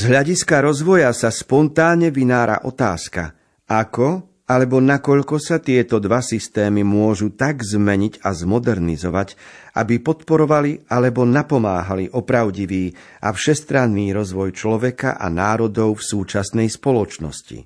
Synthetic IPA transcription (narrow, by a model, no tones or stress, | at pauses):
zɦʎaɟiskaɾɔzʋɔjasaspɔnt̪aːɲɛʋinaːɾa̰ʔɔt̪aːska̰ | ʔakɔ | alɛbɔnakɔʎkɔsat̪ɪɛt̪ɔd̪ʋasist̪ɛːmimʊɔʒut̪aɡzmɛɲiɟazmɔd̪ɛɾnizɔʋacʔa̰bipɔt̪pɔɾɔʋalialɛbɔnapɔmaːɦaliʔɔpɾaʊɟiʋiː | ʔa̰fʃɛst̪ɾanːiːɾɔzʋɔjt͡ʃlɔʋɛka̰ʔa̰naːɾɔd̪ɔʊfsuːt͡ʃasnɛjspɔlɔt͡ʃnɔ̰scḭ